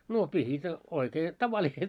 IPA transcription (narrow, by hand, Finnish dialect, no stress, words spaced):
no pihit oikeː tɑʋɑliset